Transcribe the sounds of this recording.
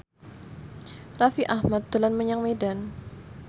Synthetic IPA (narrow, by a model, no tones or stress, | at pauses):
rafiʔahmat̪̚d̪ulanməɲaŋmedan